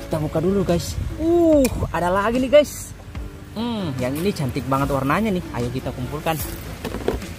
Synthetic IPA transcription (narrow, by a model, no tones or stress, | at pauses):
ki̥t̪abukaduluɡaisuhadalaɡiniɡais̩ | jaŋinit͡ʃant̪ik̚baŋat̪warnaɲaniha̰jakit̪akumpulkan